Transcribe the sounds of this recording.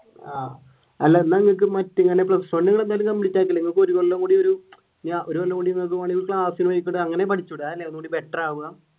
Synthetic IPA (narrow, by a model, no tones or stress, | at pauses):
aː | ɐlːɐnːɐŋːɐɭk̬ːɨmɐtːiŋːɐne̞pɭɐssonːuŋɐɭe̞nd̪aːlumk̪ɐmbiɽit͡ɕːaːk̬ːiɐlːeŋːɐɭkɨoɾukoɭːɐŋkuːɽio̞ɾu | ɲaʔoɾupɐlːɐkuːɽinːɐk̬umaːɳikɭaːsinuʋɐjikʲːuɽɨɐŋːɐne̞p̬ɐʈʰit͡ɕːuɽɨaːðinːeɐnːuːɽibeʈːraːʋuɣa